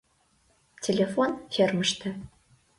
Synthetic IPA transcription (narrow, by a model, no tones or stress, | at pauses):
tʰelʲefonfʲermɨʂtʰɐ